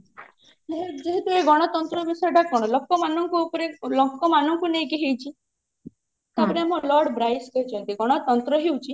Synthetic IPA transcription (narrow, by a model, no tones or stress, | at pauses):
eɦed͡ʒeɦet̪ueɡɔɽ̃ɔt̪ɔnt̪ɾɔbisɔjʈakɔɽ̃ɔlɔkːɔmanɔŋkuupɔɾelɔkːɔmanɔŋkunejkeɦejt͡ʃʰi | t̪apɔɾeamɔ̃lɔɾɽbɾajskɔit͡ʃʰɔnt̪iɡɔɽ̃ɔt̪ɔnt̪ɾɔɦewut͡ʃʰi